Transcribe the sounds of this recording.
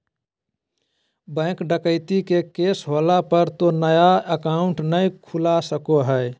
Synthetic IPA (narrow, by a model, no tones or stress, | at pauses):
bə̃kɖəkəɪt̪ikekesɦolapəɾt̪onəjaəkaʊɳʈnəjkʰulasəkoɦəe